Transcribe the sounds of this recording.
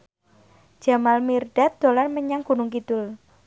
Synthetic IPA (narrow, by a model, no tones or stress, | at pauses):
d͡ʒ̥a̤malmirɖ̥a̤t̪̚d̪̥o̤larməɲaŋɡ̥ṳnʊŋkid̪̥ʊl